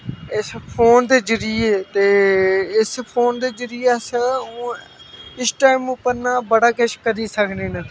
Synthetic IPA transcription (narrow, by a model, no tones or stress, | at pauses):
ɪspʰoːnd̪eːd͡ʒɪɾiːet̪eːɪspʰoːnd̪eːd͡ʒəɾiːəsũː | ɪsʈaːɪmʊpəɾnaːbəɽaːkeʃkəɾiːsəkʰneːnə